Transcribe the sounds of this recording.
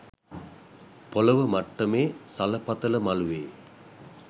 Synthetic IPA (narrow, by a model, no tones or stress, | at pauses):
poləʋəmaʈːəmeːsaləpɐt̪ələmaluʋeː